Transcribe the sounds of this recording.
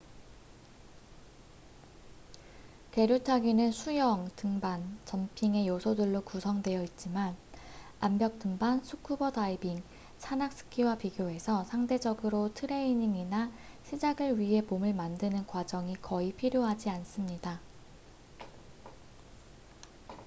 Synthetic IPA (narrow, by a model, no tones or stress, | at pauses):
ke̞ɾjotʰaɡinɯnsʰujʌŋtɯŋbant͡ɕʌmpʰiŋe̞josʰodɯɭːokusʰʌŋdwe̞jʌit̚t͡ɕ͈iman | ambjʌk̚t͈ɯŋbansʰukʰubʌdaibiŋ | sʰanak̚s͈ɯ̥kʰiwapiɡjoe̞sʰʌsʰaŋde̞d͡ʑʌɡɯɾotʰɯɾe̞iɲiŋina | ɕʰid͡ʑaɡɯɭɥiɦe̞momɯɭmandɯnɯnkwad͡ʑʌŋikʌipʰiɾjoɦad͡ʑians͈ɯmɲida